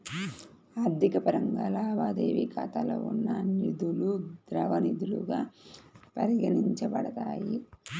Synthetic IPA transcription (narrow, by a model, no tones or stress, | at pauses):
aːɾd̪ʱikɐpɐɾɐŋɡaːlaːʋaːd̪eːʋikʰɐt̪ɐlɐ̰unːɐnid̪ulud̪ɾɐʋɐnid̪uluɡaːpɐɾiɡɐniɲt͡ʃɐpɐɽɐt̪aːji